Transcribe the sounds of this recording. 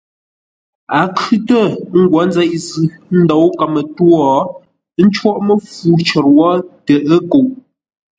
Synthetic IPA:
a˨kʰʉ˦tə˦˨˦ŋ̩˦ɡwɔ˨˦n˦d͡zɛ˦ʔzʉ˨n̩˦dɔ˨˦wka˨mə˨twɔ˦˨˦ | n̩˦t͡ʃwɔ˦ʔmə˦fu˦t͡ʃə˨ɾwɔ˦tə˨ʔə˦ko˨ʔ

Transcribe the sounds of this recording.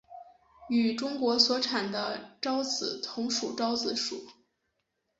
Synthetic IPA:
y˨˩ʈ͡ʂʊ˥ŋkwɔ˧˥swɔ˧˥ʈ͡ʂʰa˨˩nd̪ə˦ʈ͡ʂɑ˥ʊt͡sɹ̩˨˧˩t̪ʰʊ˧˥ŋʂu˨˩ʈ͡ʂɑ˥ʊt͡sɹ̩˧˥ʂu˨˩˦

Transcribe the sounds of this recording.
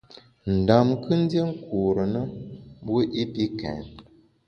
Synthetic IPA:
n̩˨da˨mkɨ˦n̩˦dje˦ŋ̩˦ku˨ɾə˨nə˦bwo˦ʔi˦pi˦kɛ̰˨n

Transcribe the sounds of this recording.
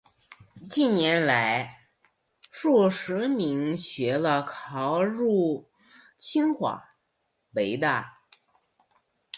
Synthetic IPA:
t͡ɕi˥˩njɛ˧˥nla˧˥ɪ | ʂu˥˩ʂɻ̩˧˥mi˧˥ŋɕɥɛ˧˥lə˧kʰɑ˧˥ʊɻu˥˩ | t͡ɕʰi˥ŋxwa̰˨˩˦ | pe˧˥ɪt̪a˥˩

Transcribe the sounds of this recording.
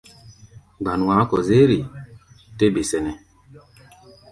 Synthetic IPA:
ɡ͡ba˨nu˨a˨˦kɔ˨ze˦ɾi˨ | te˦be˨sɛ˨nɛ˨

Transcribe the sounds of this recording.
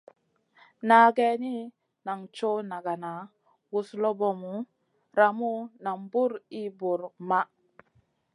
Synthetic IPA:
na˨ɡe˦ni˦ | na˨ŋt͡ʃo˦na˨ɡa˨na˨ | wu˨slo˦bo˦mu˨ | ɾa˨mu˦na˨mbu˦ɾi˦bu˨ɾma˦

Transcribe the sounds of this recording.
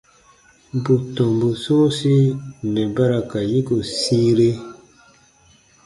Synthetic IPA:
bu˨tɔ˨mbu˨sõː˦si˦nɛ˨ba˦ɾa˨ka˨ji˦ɡo˨si˦ɾe˦

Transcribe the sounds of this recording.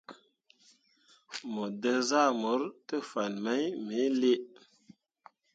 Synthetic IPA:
mə˨də˧za˦˨mo˨˦ɾtə˦fa˨nma˦jmi˨˦le˦ʔ

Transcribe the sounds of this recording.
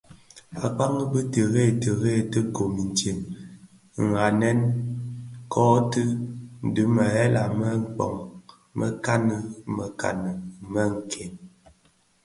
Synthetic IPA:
a˨k͡pa˦ŋə˦bə˦tə˨ɣe˦˨tə˨ɣe˦˨tə˦ko˨mi˨n˨t͡ʃe˨m | ŋ̩˨a˨nɛ˦n | kʰɔ˦tɨ˦n̩˨dɨ˨˦mə˨ɛ˦la˨mə˦ŋ̩˨k͡pɔ̰˨ŋ | mə̰˦ka˦nə˦mə˨ka̰˨nə˨mə˦ŋ̩˨kʰe˨n

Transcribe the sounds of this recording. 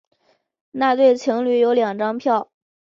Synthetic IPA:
na˥˧t̪we˥˩ɪt͡ɕʰi˧˥ŋly˧˥jo˧˥ʊljɑ˨˩ŋʈ͡ʂɑ˥ŋpʰjɑ˥˩ʊ

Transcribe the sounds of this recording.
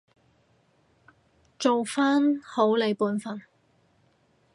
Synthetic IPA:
t͡ʃo˨wfaː˥nho˨˥wle˨˧jpuː˨˥nfɐ˨˩n

